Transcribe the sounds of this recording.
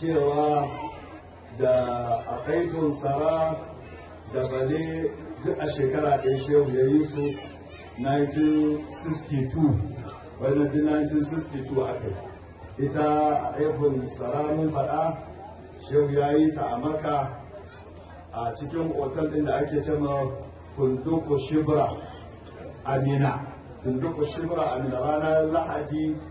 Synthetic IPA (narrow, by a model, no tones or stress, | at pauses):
t͡ʃeːwaː | daʔaʔajɸʊnsɐɾaː | dabɐledʊkʔaʃeːkɐɽaːɗɐjaʃeːhujaːjisu | najntɪnsɪstituː | wɐjnadinːantɪnsɪstituːʔakaj | ʔɪtaa̰ɗajɸɪnsɐlaːmʊmɸɐɗa | ʃehujaːjitaʔamɐka | ʔat͡ʃɪkʲɪŋʔoːtɛlɗɪndaʔakʲeːt͡ʃeːma | kʊndʊkoʃɪbɾa | ʔamɪna | kʊndʊkoʃɪbɾaʔamɪnaɾaːnalahadi